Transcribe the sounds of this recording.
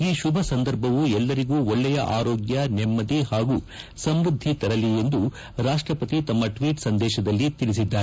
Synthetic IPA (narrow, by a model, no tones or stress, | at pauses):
iːʃubʱɐsɐnd̪ɐɾbʱɐʋuɛlːɐɾiɡuːɔɭːɛjɐ̰ʔaːɾoːɡjɐnɛmːɐd̪ihaːɡuː | sɐmɾud̪ʱːit̪ɐɾɐlije̞nd̪u | ɾaːʂʈɾɐpɐt̪it̪ɐmːɐʈʋiːʈsɐnd̪ɛːʃɐd̪ɐlːit̪ilis̬id̪ːaːɾe